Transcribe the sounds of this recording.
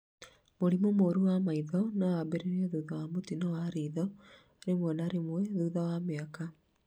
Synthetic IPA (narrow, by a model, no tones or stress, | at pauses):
moɾimɔmoːɾuwamaiðɔnawabɛɾeniɛðuðawamotinawaɾiːðɔ | ɾemwɛnaɾemwɛðuːðawameaka